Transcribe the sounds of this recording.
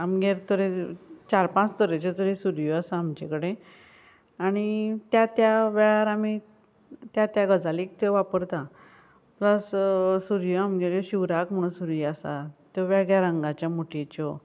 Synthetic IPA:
amɡeɾt̪ɔɾet͡ɕaɾpãt͡st̪ɔɾet͡ɕɔt̪ɔɾesuɾjoasaːmd͡ʑekəɽe | aɽ̃it̪jat̪jaʋɛɭaɾami | t̪jat̪jaɡəd͡zaliːk̚t̪ɔʋapəɾt̪ã | pləssuɾjoamɡeɾjɔɕiʋɾakm̤əɽ̃ũnsuɾjiasa̰t̪jɔʋaɡɭjaɾəŋɡat͡ɕjamuʈit͡ɕɔ

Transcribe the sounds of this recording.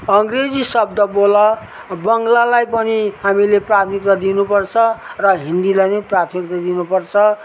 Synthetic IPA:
ʌŋɡred͡zisʌb̚d̪ʌbolʌ | bʌŋlalajpʌniɦamileprat̪ʰmik̚t̪ad̪inupʌrt͡sʰʌrʌɦind̪ilajnʌjprat̪ʰmikt̪ad̪inupʌrt͡sʰʌ

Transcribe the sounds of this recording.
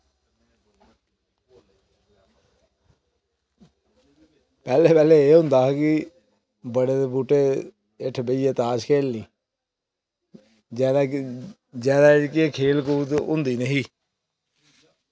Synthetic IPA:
pɛːleːpɛːleːeːɦʊ̃nd̪aːkɪ | bəɽeːt̪ebuːʈeː | ɪʈʰbeiːeːt̪aːʃkʰeːlniː | d̪a | d͡ʒɛːd̪aːkɪekʰeːlkuːt̪ʊ̰̃nd̪iːnəɦiː

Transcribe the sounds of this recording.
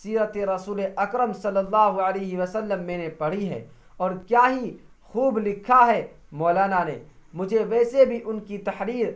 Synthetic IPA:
siːɾət̪eɾɐsuːleʔɐkɾəmsɐlːəlːaːɦuəleːɦiʋɐsəlːəmːẽːnẽpɐɽ̤iɦɛ̰ː | ɔːɾkjaːɦi | xuːblɪkʰːaɦɛ | mɔːlaːnanḛmʊd͡ʒʱeʋɛːsebʱiʔʊnkit̪ɐħɾiːɾ

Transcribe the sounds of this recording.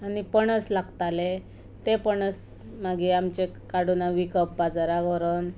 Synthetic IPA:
anipəɳət͡slaɡt̪ale | t̪epəɳət͡s | maɡiamt͡ɕe | kaɽunaʋikəp̚bad͡zaɾaɡɔɾən

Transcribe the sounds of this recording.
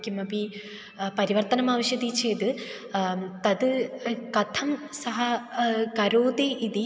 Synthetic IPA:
kʲːimɐbi | pɐɾiʋɐrt̪ɐnɐmaːʋɐɕjɐd̪it͡ɕeːd̪ɨ | t̪ɐðɨkɐt̪ʰɐmsɐɦɐkɐɾoːd̪eʔid̪i

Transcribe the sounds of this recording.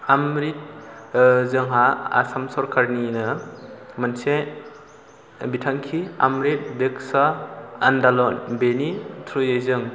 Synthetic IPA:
amɾit̚ | zɯŋɦaa̰samsɔɾkʰaɾninɯmanse | bitʰaŋkʰia̰mɾit̚beksaːndalɔnbenitʰɾujejzɯŋ

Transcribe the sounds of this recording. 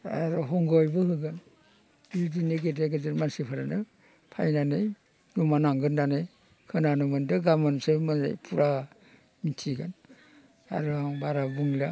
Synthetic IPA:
a̰ɾɔɦɔŋɡɔjbɯɦɯɡɯn | bidiniɡedeɡɯd͡ʒɯɾmansipʰaɾanɯ | pʰa̰jnanej | numanaŋɡɯnnanɯj | kʰɯnanɔmɯndɯɡamɯnsɯmɯza̰jpʰuɾa | mitʰiɡan | a̰ɾuaŋbaɾabuŋla

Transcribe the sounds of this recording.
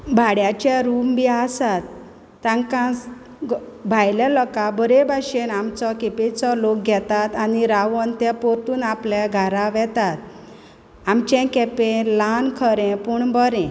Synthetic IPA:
bʱaɽjat͡ɕaɾumbiaːsat̪ː | ãŋkãs | bʱajlalɔkabəɾebʱaɕenamt͡sɔkepet͡sɔlok̚ɡʱɛt̪at̪aniɾaʋənt̪ɛpɔɾt̪uːnapljaɡʱaɾaʋɛt̪at̪̚ | amt͡ɕɛ̃kɛpẽlankʰəɾɛ̃puɳbəɾɛ̃

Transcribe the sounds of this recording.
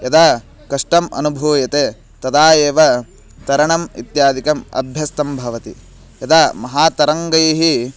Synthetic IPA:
jɐd̪aː | kɐʂʈɐmɐ̰nubʱuːjɐt̪eː | t̪ɐd̪aːjeːʋɐ | t̪ɐɾɐɳɐmḭt̪jaːd̪ikɐmɐ̰bʱjɐst̪ɐmbʱɐʋɐt̪ḭ | jɐd̪aːmɐɦaːt̪ɐɾɐŋɡɐjɐɦi

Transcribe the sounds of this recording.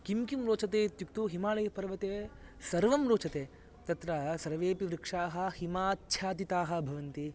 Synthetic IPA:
kimkumɾoːt͡ʃɐt̪eːt̪jukt̪uɦimaːɭɐjɐpɐɾʋɐt̪eːsɐɾʋɐmɾoːt͡ʃɐt̪eː | t̪ɐt̪ɾɐsɐɾʋeːpiʋɾɪkʂaːɦɐ̆himaːt̪ʃʰaːt̪̬it̪aːɦɐ̆bʱɐʋɐnt̪i

